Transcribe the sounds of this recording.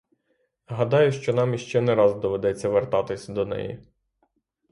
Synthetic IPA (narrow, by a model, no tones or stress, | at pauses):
ɦɐd̪ɑjʊʃt͡ʃɔnɑmjiʃt͡ʃɛneɾɑzd̪ɔʋed̪ɛt͡sʲːɐʋert̪ɑt̪ɪsʲd̪ɔnɛ̰jḭ